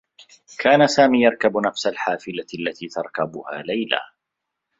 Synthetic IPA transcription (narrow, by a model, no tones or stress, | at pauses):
kʰaːnasaːmiːjɑɾˤkabnafsalħaːfɪlaalːat̪iːt̪ɑɾˤkabʊha̰ːlajla̰ː